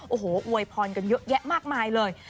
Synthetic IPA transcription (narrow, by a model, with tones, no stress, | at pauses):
ʔoː˨˩hoː˩˦ʔu˧əjpʰɔː˧nka˧njɤ˦˥ʔjɛ˦˥ʔmaː˥˩k̚maː˧jlɤː˧j